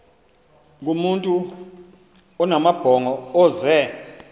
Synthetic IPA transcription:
k̬ʼumuntʼu | ɔnamab̥ʱɔŋɔɔːzɛ

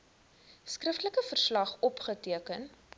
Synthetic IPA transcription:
skrəftləkəfərslɐχɔpχətiəkən

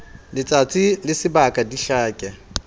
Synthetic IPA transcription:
lɪt͡sʼat͡sʼilɪsɪbakʼadiɬaːkʼɛ

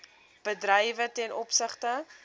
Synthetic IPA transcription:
b̥ədrəjvətɛnʔɔpsəχtə

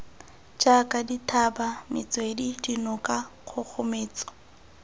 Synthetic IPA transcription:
d͡ʒakʼaditʰabamɪt͡swedidinʊkʼaχʰʊk͡xʰʊmeːt͡sɔ̥

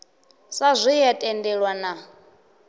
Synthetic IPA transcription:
sazʷijɛtʼɛndɛɺwana

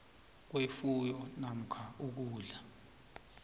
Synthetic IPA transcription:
k̬wefujɔnam̩kʰauk̬uːɮa

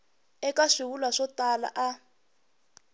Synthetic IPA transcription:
ɛkaʂiwulwaʂɔtala̰ʔa

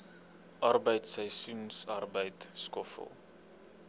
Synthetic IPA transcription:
ʔɐrbəjtsəjsunsarbəjtskɔfə̰lˠ

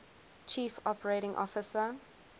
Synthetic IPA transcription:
t͡ʃʰiːfɔpəɹeɪɾɪ̃ŋʔɔ̰fɪsə

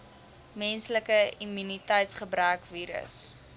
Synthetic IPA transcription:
mɛnsləkəimynitɛjtsχəbɾœːkviːɾə̰s

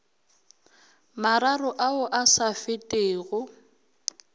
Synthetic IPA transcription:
maɾarʊʔaʊʔasafɪtʼeːɣʊ

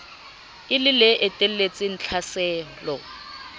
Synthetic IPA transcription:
ɪlɪleʔɛtʼɛl̩let͡sʼɪn̩t͡ɬʰasɛːlɔ

